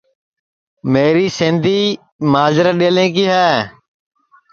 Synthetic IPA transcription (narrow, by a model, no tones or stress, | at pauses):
meːɾiːsɪ̃ːnd̪ʱiː | maːzɾəɗeːlẽːk̬iːɦɛː